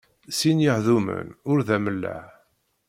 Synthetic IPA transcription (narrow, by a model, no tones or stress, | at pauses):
sinjəħðumə̰nʊɾðæməlːæ̰ʕ